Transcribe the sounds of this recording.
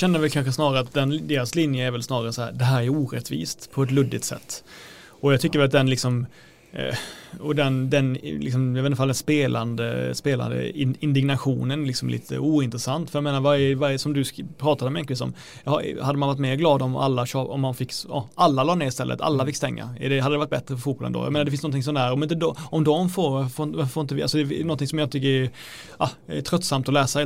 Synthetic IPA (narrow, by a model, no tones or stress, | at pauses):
ɕɛnd̪əvɛlkʰanɧəsnɑːɾaɾəat̪̚d̪ɛnd̪eːɾaslɪnjəæɾvɛlsnɑːɾaɾəsɔhæ̰ːɾd̪ɛɦæːɾæɾuːɾɛt̪vḭːst̪pʰɔɛt̪lɵd̪ːɪt̪sɛ̰t̪ː | ɔjɑɡt̪ʰʏkːəɾvɛlat̪d̪ɛnlɪksɔm | ɔd̪ɛnd̪ɛnlɪ̰ks̬ɔmjɑvɛnfald̪ɛnspeːlʔand̪ə̰speːla̰nd̪ə̰ɪɪnd̪ɪɡnaɧuːnənlɪksɔmlḭːt̪ʰə̰uːɪnt̪ɾəsant̪fœɾjameːnaɾvaɾjəvaɾjəsɔmd̪ɵspʰɾɑːt̪ad̪əɔmjɛnlɪviːsɔ̰m | jhhad̪ːəmanvaʈ̪̬meːɾɡlɑːd̪ɔma̰lːaɕɑːɔ̰mːanfɪkːɑ̰ʔalːalɑːneːɾɪst̪ɛlːʔə̰t̪ʰa̰lːafɪkːst̪ɛŋːa̰ɛɖɛɦad̪əd̪ɛvaʈ̪̚bɛt̪ɾəfœɾfuːpɔləɛ̰o̰j̰ːmeːnaɖɛfɪnsnɔnʰɪŋs̬ɔnd̪æɾɔmɪnt̪əd̪ɔmd̪ɔmfoːɾfoɪvaffoɾnt̪əvɪʔalsɔd̪ɛnɔnt̪ɪŋsɔmjɑɪt̪ʰʏkːəɾɛ | ʔɑɛt̪ʰɾœt̪ːsamt̪ɔlɛːsa